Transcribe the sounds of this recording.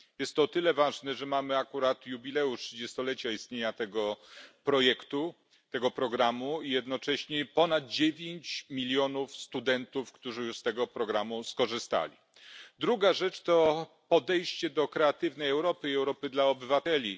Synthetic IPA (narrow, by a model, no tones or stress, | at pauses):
jɛst̪ːɔːt̪ɘlɛvaʐnɛʐɛmamɘakuɾat̪jubʲilɛuʂtʂɘd͡ʑɛst̪ɔlɛt͡ɕaist̪ɲeɲat̪ɛɡɔpɾɔjɛkt̪u | t̪ɛɡɔpɾɔɡɾamuijɛd̪nɔt͡ʂɛɕɲɛpɔnad̪̚d͡ʑevʲjeɲt͡ɕmʲilʲjɔnufst̪ud̪ɛnt̪ufkt̪uʐɘjuʂst̪ɛɡɔpɾɔɡɾamuskɔʐɘst̪a̰lʲi | d̪ɾuɡaʐɛt͡ʂt̪ɔ | pɔd̪ɛjɕt͡ɕɛd̪ɔkɾɛat̪ɘvnɛjɛwɾɔpɘiɛwɾɔpɘd̪laɔbɘvat̪ɛlʲi